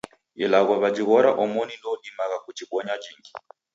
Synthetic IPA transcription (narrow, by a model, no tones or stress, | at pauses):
ilaɣwaβad͡ʒiɣɔɾa̰ʔɔmɔnilɔɗimaɣakud͡ʒiɡɔɲad͡ʒiŋɡi